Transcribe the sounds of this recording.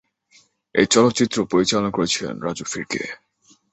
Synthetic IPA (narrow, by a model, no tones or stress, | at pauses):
ḛjt͡ɕɔlot̪ːɕit̪ːɾopoɾit͡ɕalonokoɾet͡ɕʰilḛnɾad͡ʑufiɾkḛ